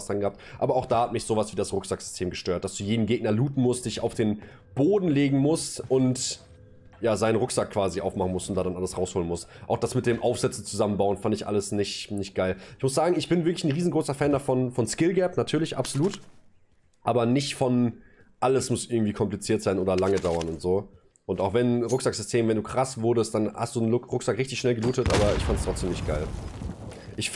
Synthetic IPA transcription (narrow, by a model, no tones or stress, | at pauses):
sanɡəhaptʔaːbɐaʊxd̥aːhatmɪçz̥oːvasv̥iːdasʁʊkz̥akz̥ʏ̥stʰeːmɡəʃtøːɐt̚d̥asd̥uːjeːdn̩ɡeːɡ̚nɐluːtn̩mʊst̚d̥ɪça̰ʊfd̥eːn | b̥oːdn̩leːɡŋ̩mʊstʔʊnt | jaːzaɪnənʁʊkz̥akʰːv̥aːziʔaʊfmaχn̩mʊstʊntd̥aːdanʔaləsʁaʊshoːlənmʊstʔa̰ʊxd̥asmɪt̚d̥eːmʔaʊfz̥ɛt͡snt͡suzamənbaʊənfandɪçʔa̰ləsnɪçtnɪçtɡ̥aɪlʔɪçmʊsz̥aːɡŋ̩ɪçb̥ɪnvɪɐklɪn̩ʁiːzn̩ɡʁoːsɐfɛːndafɔnfɔnskɪlɡɛpnatʰyːɐlɪçʔa̰pz̥oluːt | ʔaːbɐnɪçtfɔn | ʔaləsmʊsʔɪɐɡŋ̩tv̥iːkʰɔmplit͡siːɐtz̥aɪnʔoːdɐlaŋədaʊɐnʊntz̥oː | ʔʊntaʊxv̥ɛnʁʊkz̥akz̥ʏstʰeːmvɛnduːkʁ̥asv̥ʊɐdəst̚d̥anha̰std̥uːnʊʁʊkz̥akʁɪçtɪçʃnɛlɡəluːtətʔa̰ːbɐɪ̰çfantstʁ̥ɔt͡sd̥eːmnɪçt̚ɡ̥aɪl | ʔɪç